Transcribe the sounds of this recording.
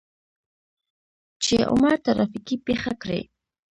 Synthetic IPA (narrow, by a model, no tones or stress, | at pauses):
t͡ʃeʔʊ̰maːt̪aɾafɪkipeχakɾḛː